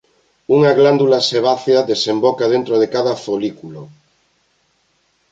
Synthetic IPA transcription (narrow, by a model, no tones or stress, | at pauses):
uŋaɣland̪ulaseβ̞aθjaðesẽmbokaðent̪ɾoð̞ekaðaθolikulo